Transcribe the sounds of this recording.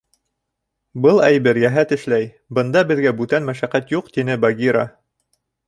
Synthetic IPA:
bɤlˠæjbɘɾjæɦæt̪ɘ̆ʃlæj | bɤ̆nd̪ɑbɘ̆ðɡæbʉt̪ænmæʃæqæt̪juqt̪inɘbɑɡʲiɾɑ

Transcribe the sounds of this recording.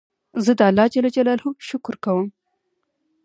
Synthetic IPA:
zəd̪əalːɑd͡ʒalad͡ʒalɑlhʊmʃʊkɾkawəm

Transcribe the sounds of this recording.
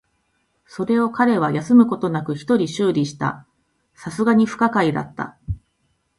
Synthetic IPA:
so̞ɾe̞o̞kaɾe̞β̞ajasɨmɯ̟ko̞t̪o̞nakɯ̟çi̥t̪o̞ɾʲiɕɨːɾʲiɕi̥t̪a̰ | sasɨɡaɲ̟iɸɯ̟̥kakaid̪a̰t̪ːa̰

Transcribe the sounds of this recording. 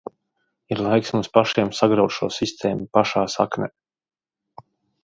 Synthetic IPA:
iɾlˠajksmunspaʃiɛmsaɡɾawt̪ʃuɔːsist̪ʰeːmupaʃaːsaknʲɛ

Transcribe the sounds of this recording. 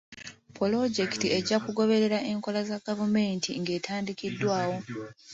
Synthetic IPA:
polo̞ɟe̞ktie̞ɟakuɡo̞βe̞ɾe̞ɾaʔe̞ŋko̞lazaɡ̥avume̞ːntʰḭŋɡe̞ːtʰaːndikidːwaːwo̞

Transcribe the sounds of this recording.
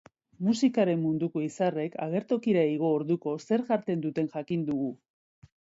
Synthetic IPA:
musikaɾe̞mːund̪uko̞isare̞kʰa̰ɣe̞ɾt̪o̞kiɾaiɣ̞o̞ːɾðuko̞se̞ɾʝaɾt̪e̞nd̪ut̪e̞nʝakind̪uɣu

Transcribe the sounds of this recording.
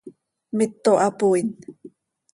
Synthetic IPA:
mɪt̪ːoʔapuin

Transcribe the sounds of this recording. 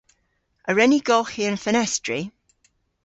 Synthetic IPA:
əɹɛniɡɔlˠxiə̃nfənɛstɹi

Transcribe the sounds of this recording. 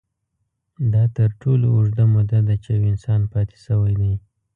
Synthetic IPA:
d̪ɑt̪əɾʈʰoloʊʐd̪amʊd̪ad̪at͡ʃeawɪnsɑnpɑt̪e̥səwajd̪aj

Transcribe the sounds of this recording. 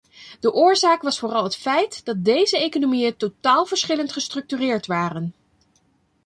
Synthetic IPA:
d̥əʔʊːɹzaːkʋɑsfʊːrɑlˠɦətfɛjtd̥ɑt̚dejzəejkonomijəntotaːlˠvəɹsχɪləntχəstrɵk̚tyːrɪːɹtʋaːrən

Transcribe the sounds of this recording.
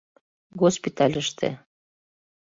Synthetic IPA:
ɣospit̪ɑlʲəʃt̪ḛ

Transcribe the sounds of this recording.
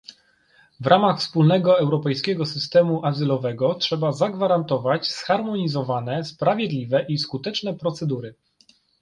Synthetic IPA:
vɾʔamaxfspulnɛɡɔɛwɾɔpɛjskʲɛɡɔsɘst̪ɛmuʔazɘlɔvɛɡɔtʂɛbazaɡvaɾant̪ɔvat͡ɕsxaɾmɔɲizɔvanɛspɾavʲjɛd̪lʲivɛʔiskut̪ɛt͡ʂnɛpɾɔt̪sɛd̪uɾɘ

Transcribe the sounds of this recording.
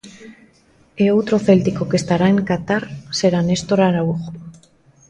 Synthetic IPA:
eowt̪ɾo̞θe̞lt̪iko̞kest̪aɾaeŋkat̪aɾse̞ɾane̞st̪oɾaɾauɣo

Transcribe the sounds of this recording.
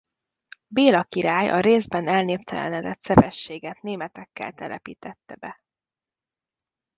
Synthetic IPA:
beːlɒkiɾaːjʔɒ̰ɾeːzbɛnɛlneːpt̪ʰɛlɛ̰nɛd̪ɛt̪sɛvɛʃːeːɡɛt̪neːmɛt̪ɛkːɛ̰lt̪ɛlʔɛpḭːt̪ɛt̪ːɛbɛ

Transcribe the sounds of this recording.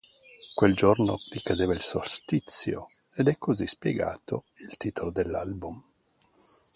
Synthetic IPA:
kweld͡ʒornorikad̪eːvailsorst̪it̪sːjo̰ed̪ɛkʰːozispjḛɡa̰ːt̪ʰo | ilt̪iːt̪ʰolod̪elːalbum

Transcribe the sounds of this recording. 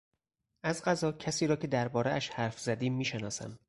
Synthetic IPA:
ʔæzɢæzɒːcʰæsiːɾɒːcʰe̞d̪æɾbɒːɾeæʃhæɾfz̥æd̪iːmːiːʃenɒːsæ̰m

